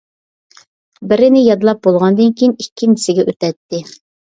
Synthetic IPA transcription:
bɪɾɪnɪjɑd̪lˠɑp̚bolˠʁɑnd̪ɨnkʲijinikʲʰːinɪsɪɡʲɛʔøt̪ɛt̪ːɪ

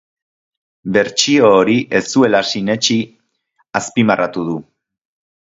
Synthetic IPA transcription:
be̞ɾt͡ʃio̞ːɾiʔe̞st̪ue̞lasine̞t͡ʃi | aspimarat̪uð̞u

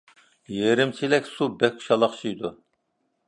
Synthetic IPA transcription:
jeɾɪmt͡ʃʰilɛkʲsubɛk̚ʲkʰu̥ʃɑlˠɑχt͡ʃʰijd̪u

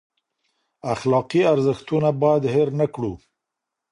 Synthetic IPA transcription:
axlɑqiaɾzəxt̪unabɑjad̪heɾnakɽu

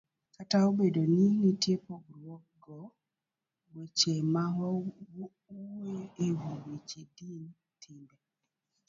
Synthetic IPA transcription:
kataobedoninitepoɡɾwɔk̚ɡɔ | bot͡ʃema | uweewowet͡ʃedin | tʰɪmbɛ

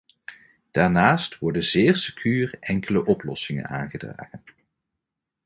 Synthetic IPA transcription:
d̥aːɹnaːstʋɔɹdənzɪːrsəkʰyːrɛŋkələʔɔplɔ̰sɪŋə̰na̰ːnχədra̰ːχən

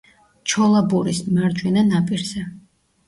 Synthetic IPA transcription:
t͡ʃʰɔlˠabuɾismaɾd͡ʒwɛnanapʼiɾzɛ

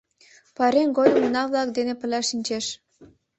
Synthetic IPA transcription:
pɑɾenɡojomunɑβlɑkd̪enĕpə̆lʲæʃinʲt͡ɕeʃ

